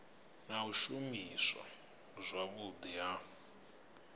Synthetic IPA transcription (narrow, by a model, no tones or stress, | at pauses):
naɦuʃumisa̰ | zʷwaβud̪ija